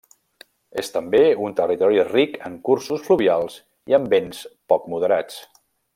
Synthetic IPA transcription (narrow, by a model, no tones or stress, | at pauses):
est̪əmbeunt̪ərit̪ɔɾirikəŋkuɾsusfluβialˠz | iəmbenspɔkmuðəɾat͡s